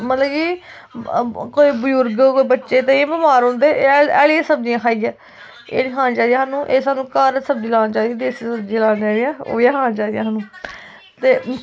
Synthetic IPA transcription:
mət̪ləːkiː | koːiːbəjʊɾɡkoːiːbətːʃeːt̪ẽĩːbɪmaːɾõːnd̪eːɛːliːãːsəbd͡ʒijãːkʰaːiːjɛː | ḛːnĩːkʰãːnt͡ʃaːd̪ijãɦaːnũːʔeːsaːnũːkaːɾəsəb̚d͡ʒiːlãːnd͡ʒaːd̪iãːd̪eːssəbd͡ʒiːlaːnd͡ʒaːd̪ijãːo̰ːjãːkʰãːt͡ʃaːd̪ɪjãːɦaːnũː | t̪eː

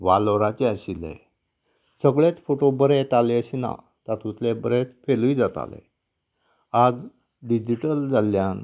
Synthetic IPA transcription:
ʋaloɾat͡ɕeəɕilḛ̃ | səɡɭet͡sfoʈobəɾet̪aleəɕina̰ | t̪at̪ut̪lebəɾet͡s̪feluid͡zat̪a̰lḛ | ad͡z | ɖid͡ʑiʈəld͡zaljan

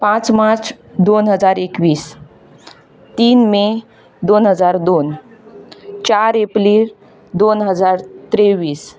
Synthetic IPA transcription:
pãt͡smaɾt͡s | d̪onɦəd͡zaɾekʋiːs | t̪iːnme | d̪onɦəd͡zaɾd̪on | t͡ɕaɾepliːɾ | d̪onɦəd͡zaɾt̪ɾeʋiːs

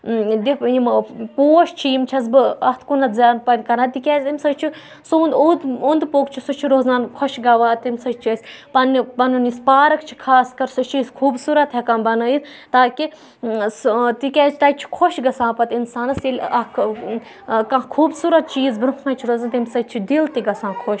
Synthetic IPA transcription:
d̪ipimpoːʃt͡ʃʰiimt͡ʃʰɐsbɨɐht̪ʰkunɐt̪zʲaːnpɐnʲkɐɾãnt̪ikʲeːzʲimsɐt͡ʃʰi | suːnd̪ud̪und̪poːkt͡ʃʰisut͡ʃʰiɾoːznaːnkʰoʃɡɐʋaːt̪imsɐt͡ʃt͡ʃʰɐsʲpɐnːipɐnunispaːɾɐkt͡ʃʰi̥kʰaːskɐɾsɐt͡ʃʰiskʰuːbsuːɾɐt̪ɦɐkanbɐnəist̪aːki | t̪ikʲɛːt͡ʃʰt̪ɐt͡ʃʰi̥kʰoʃɡɐsãːpɐt̪insaːnɐsilʲɐ | kãkʰuːbsuːɾɐt̪̚t͡ʃʰiːzbɾuhkɐ̃t͡ʃʰiɾoːzant̪imsɐt͡ʃʰid̪ilt̪iɡɐsãːkʰoʃ

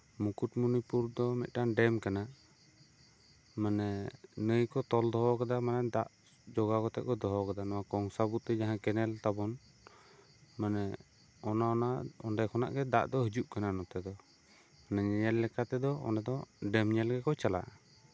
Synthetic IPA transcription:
mukuʈmunipuɾd̪ɔmɛt̪̚ˀʈanɖɛmkana | manɛnəjkɔt̪ɔld̪ɔɦɔkad̪amanɛd̪aʔ | d͡ʒɔɡakɔt̪ɛʔ̚kɔd̪ɔɦɔkad̪anɔwakɔŋsabut̪ɛd͡ʒaɦãkɛnɛlt̪abɔn | manɛ | ɔnaɔnaʔɔnɖɛjkʰɔna̰ʔɡɛd̪a̰ʔd̪ɔɦid͡ʒuʔkananɔt̪ɛd̪ɔ | manɛɲɛɲɛlːɛkat̪ɛd̪ɔɔ̰nad̪ɔɖɛmɲɛlɡɛkɔt͡ʃala̰ʔ

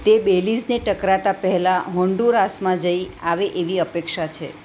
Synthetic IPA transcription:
t̪ebelid͡ʒneʈəkɾat̪apəɦɛlaɦɔ̃ɳɖuɾasmãd͡ʒəiaʋeʔeʋiəpekʃat͡ʃʰḛ

